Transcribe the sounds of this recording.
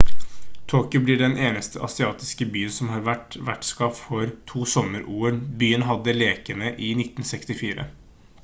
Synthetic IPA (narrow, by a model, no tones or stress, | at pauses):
t̪ʰoːkjʊblɪɖɛnʔeːnəst̪ʰəʔɑsɪɑːt̪ɪskəbyːənsɔmɦɑːɾʋæʈʋæ̰ʈskɑffɔɾt̪ʰuːsɔmːəɾʔuːəɳbyːənɦɑd̪ːəleːkənəʔɪnɪt̪ːn̩sɛkst̪ɪfiːɾə̰